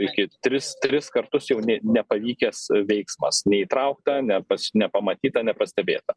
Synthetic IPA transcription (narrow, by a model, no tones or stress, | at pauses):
ɪkʲɪt̪ʲɾʲɪst̪ʲɾʲɪskɐrt̪ʊsjɛʊnʲɛnʲɛpɐʋʲiːkʲɛsʋʲɛɪksmɐsnʲɛiːt̪ɾɐʊk̚t̪ɐnʲɛpɐsnʲɛpɐmɐt̪ʲiːt̪ɐnʲɛpɐsʲt̪ʲɛbʲḛːt̪ɐ